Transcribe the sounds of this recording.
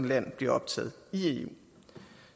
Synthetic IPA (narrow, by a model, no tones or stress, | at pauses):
nlæn̰b̥le̝ɐɒ̽b̥̚t͡sʰɛ̰ːð̞̩ˠie